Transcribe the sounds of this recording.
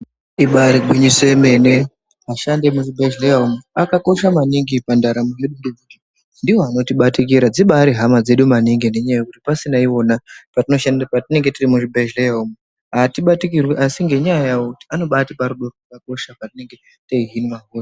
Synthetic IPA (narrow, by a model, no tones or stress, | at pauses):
iɓaɾiɡwiɲisemene | aʃande̞muʐibʱeʒleaumuakako̞ʃamaniŋɡipandaɾamuje̞ɗunduuti | ndiwo̞ano̞tiɓatik̬iɾad͡ziɓaɾiɦamad͡ze̞ɗumaniŋɡine̞ɲajajakutipasinaiwo̞napatinoʃanpatine̞ŋɡe̞tirimuʐibʱeʒleaumu | ɦatiɓatikirwiʔasiŋɡe̞ɲajakutiano̞ɓatipaɾuɗo̞roakako̞ʃapatine̞ŋɡe̞ | teiɦinimaɦura